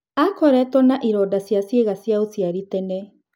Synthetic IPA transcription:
akɔɾɛtɔnaʔiɾɔdasjasjeɣasjaosjaɾitɛnɛ

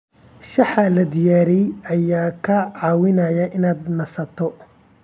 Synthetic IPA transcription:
ʃɑħɐlɐd̪ɪjaːɾɛjɐjaːkʰɐʕɑːwɪnɐjɐʔɪnaːd̪nɐsɐt̪ʰɔ

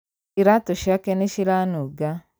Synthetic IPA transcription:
iɾatoʃakeneʃiɾanuɡa

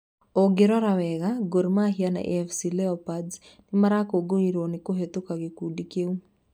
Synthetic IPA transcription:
oɡeɾɔɾawɛɣaɡoɾmaɦiana̰ʔɛfsilɛɔpadsnɪmaɾakoɡoiɾonɪkoɦet̪okaɡekudikeu

